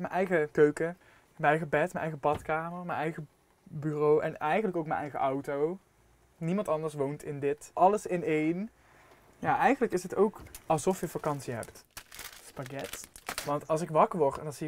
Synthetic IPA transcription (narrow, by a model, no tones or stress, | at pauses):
mənʔɛjχəkøɥkə | mənɛjɣəbɛtmənʔɛjɣəbɑtkaːməɹmənɛjχə | byrowɛ̰nɛjχənləkowkmə̰nʔɛjɣə̰ʔɑwtow | nimɑntɑndəɹsʋowntɪndɪtʔɑləsɪnejn | jaːʔɛjχənləkɪsətowkɑlˠzɔfjəfakɑnsiɦɛ̰ptspaɡɛtʋɑntɑlˠsɪkʋɑkəʋɔɹtdɑnzi